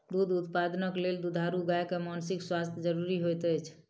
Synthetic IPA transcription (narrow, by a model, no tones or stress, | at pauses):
d̪ud̪ʱut̪pad̪nəkleld̪ud̪ʱaɾuɡajkemansikswast̪ʰjd͡ʒəɾuɾiɦojt̪əjt͡ʃʰ